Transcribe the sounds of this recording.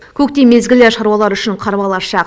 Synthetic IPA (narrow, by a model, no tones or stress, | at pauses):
kʲʰɵk̚t̪e̞me̞zɡʲɪlɪʃɑɾuɑlˠɑɾʏʃɪɴqʰɑɾbɑlˠɑʃɑq